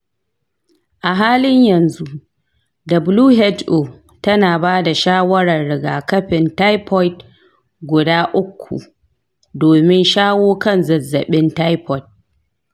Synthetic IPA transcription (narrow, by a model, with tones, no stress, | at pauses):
ʔa˨ɦaː˦lɪ˦ɲjɐ˨nzu˦ʔ | dɐ˨bluː˦ɦɛ˦tʔo˨ | tɐ˦naː˨baː˦da˨ʃaː˦wɐ˦ɾɐ˨rːɪ˨ɡaː˨kɐ˦ɸɪ˨nta˦jpɔ˦jt | ɡʷʊ˨daː˦ʔʊ˦kʷʰːṵ˨ | doː˨mɪ˦nʃaː˦woː˦kɐ˦˨nzɐ˨zːɐ˨ɓɪ˦nta˦jpɔ˦t̚